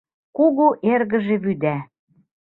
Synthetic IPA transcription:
kuɣuʔeɾɣə̆ʒĕβyd̪æ

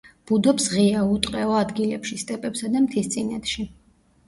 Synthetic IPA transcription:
b̥ud̪ɔpsʁiaut̪ʼqʼɛɔad̪ɡilɛpʃist̪ʼɛpʼɛpsad̪amt̪ʰist̪sʼinɛt̪ʃi

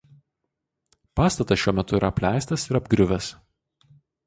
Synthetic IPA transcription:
pɑːst̪ɐt̪ɐsʃʲuɔmʲɛt̪ʊiːɾʔɐpʲlʲæˑɪst̪ɐsɪɾɐbɡɾʲʊʋʲɛs

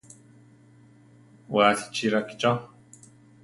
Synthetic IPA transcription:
waɬi̥t͡ʃiɾaki̥t͡ʃa

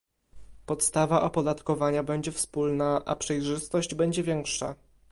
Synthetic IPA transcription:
pɔt̪st̪avaʔɔpɔd̪at̪kɔvaɲabɛɲd͡ʑɛfspulnaʔa̰pʂɛjʐɘst̪ɔʑd͡ʑbɛɲd͡ʑɛvʲjɛŋkʂa̰

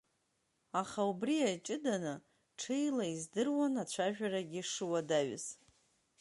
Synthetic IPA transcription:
aχaubriajt͡ʃʼɪdanɨ | ʈ͡ʂʰejlaizdɨrwanat͡ɕʷʰaʒᶣaɾaɡʲɪʂɨwadaɥ̰z̥

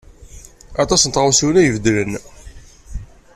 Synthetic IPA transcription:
ɑt̪ˤɑsnt̪ʁəwsiwlæjəvəd̪lən

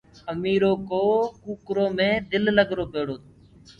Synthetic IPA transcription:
əmiːɾoːkoːkuːkɾoːmẽːd̪ɪlləɡʱɾoːpeːɽoːt̪o

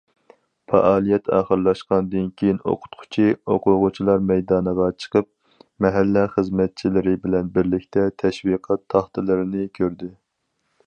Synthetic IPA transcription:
fɑ̰ʔɑːlˠijɛt̪ʰɑ̰ːχəɾlˠɑʃqɑnɨd̪ɨnkʲʰejino̰qʰʊ̥t̪qʰʊ̥t͡ʃʰioqʰʊʁʊt͡ʃʰilˠɑɾmɛjd̪ɑːnəʁɑt͡ʃʰə̥qəp̚ | mɛɦælːɛχəzmɛt̪̚t͡ʃʰilɪɾɪbɪlɛnbɪɾlɪkʲt̪ʰɛt̪ʰɛʃwiqʰɑt̪ʰːɑχt̪ɨlˠɨɾɪnɪkʲʰøɾd̪ɪ

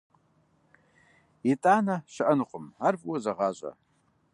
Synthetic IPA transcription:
itʼanaʃaʔənɨqʷʼʊmarvʼwazaʁaʒʷʼa̰

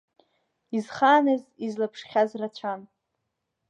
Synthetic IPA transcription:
izχaːnɨzizlapʰʂχʲazrat͡ɕʷʰan

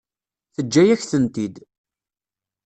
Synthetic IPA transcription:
θəd͡ʒːæjæçθənt̪id̪

